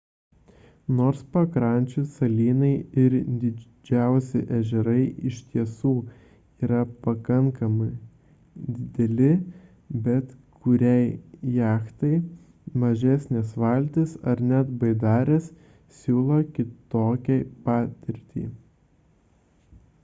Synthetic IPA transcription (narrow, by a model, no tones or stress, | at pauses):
noːɾspɐkɾɐˑnʲt͡ʃʲʊsɐlʲiːnɐɪɪɾd̪ʲɪ | d͡ʒʲæˑʊsʲɪ̰ʔɛʒʲɛɾɐɪʔɪʃʲt̪ʲiɛsuː | iːɾɐpɐkɐŋkɐmɐɪ | d̪ʲɪd̪ʲɛlʲɪ | bʲɛt̪kʊɾʲɛɪjæːxt̪ɐɪ | mɐʒʲɛsʲnʲeːsʋɐˑlʲt̪ʲɪsɐɾnʲæt̪bɐɪd̪ɑːɾʲeːs | sʲuːlˠokʲɪt̪oːkʲɛpɑːt̪ʲɪɾʲt̪ʲḭː